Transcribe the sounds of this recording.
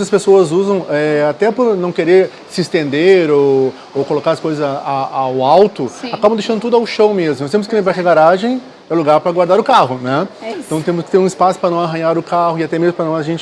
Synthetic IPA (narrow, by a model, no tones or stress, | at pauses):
ɐspesoɐzuzɐ̃w̃ɛat̪ɛpʊɾnɐ̃w̃keɾeɾ | sɪːst̪ẽnd̪eɾow | owkolokaɾɐskojzɐzaawawt̪ʊ̃akabɐ̃d̪ejʃɐ̃nd̪ʊt̪ud̪ʊawʃɐ̃wmezmʊnɔst̪emʊskɪlẽbaʃɐɡaɾaʒẽj̃ | ɛluɡaɾpɾɐɡwaɾd̪aɾʊkahʊnɛ̃ẽt̪ɐ̃w̃t̪ẽmʊskɪ̥t̪eɾũɪspasʊ̥pɾɐnɐ̃w̃aɦɐ̃jaɾʊkahʊɪat̪ɛmezmʊpɾɐnɔ̃w̃zɐʒẽnt͡ʃɪ